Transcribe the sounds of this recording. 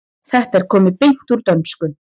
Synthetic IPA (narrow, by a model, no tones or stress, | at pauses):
θɛht̪ɛɾ̥kʰɔːmɪpejŋ̥t̪uɾt̪œnskʏ